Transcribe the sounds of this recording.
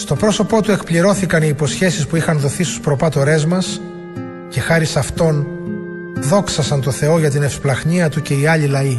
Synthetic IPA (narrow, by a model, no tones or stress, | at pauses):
st̪o̞pɾo̞so̞po̞t̪ue̞kpliɾo̞θikɐniːpo̞sçe̞sispuixɐnðo̞θist̪u̥spɾo̞pɐt̪o̞ɾe̞zmɐs | ce̞xɐɾisɐft̪o̞n | ðo̞ksɐsɐnt̪o̞θe̞o̞ʝɐt̪̬ine̞fsplɐxɲiɐt̪uce̞iɐʎilɐi